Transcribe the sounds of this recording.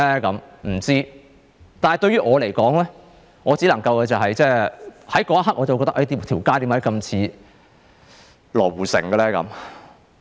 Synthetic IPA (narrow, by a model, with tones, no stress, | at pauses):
ɛ˥kɐ˨˥mm̩˨˩t͡siː˥ | t̪aː˨hɐ˨jt̪ɵ˧ɥyː˥ʔɔː˨˧le˨˩jkɔː˨˥ŋlɛː˥ | ŋɔː˨˧t͡siː˨˥lɐ˨˩ŋkɐ˧wkɛː˧t͡sɐ˨wɦɐ˨jt͡sɛː˥˩hɐ˨˥jkɔː˨˥ɐ˥ɦɐ˥k̚ʔɔː˨˧t͡sɐ˨wkɔ˧t̪ɐ˥ʔɐ˥jt̪i˧˩t̪ʰiː˨˩wkaː˥jt̪iː˨˧˥maɐ˧˥jkɐ˧mt͡sʰiː˧ | lɔ̰ː˨˩wuː˨˩sɪ̰˨˩ŋkə˧lɛː˥kɐ̰˨˦m